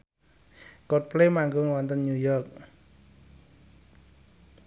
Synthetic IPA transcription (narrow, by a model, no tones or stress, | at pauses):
kɔt̚plemaŋɡʊŋwant̪ənɲujɔrk̚